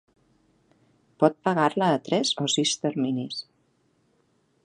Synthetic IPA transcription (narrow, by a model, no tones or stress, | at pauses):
pɔt̪̚pəɣaɾləːt̪ɾɛzosist̪əɾminis